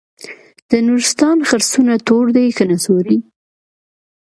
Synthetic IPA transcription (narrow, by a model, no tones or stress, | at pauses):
d̪̥ənuɾɪst̪ɑnxəɾsunat̪oɽd̪ajkənasoɾi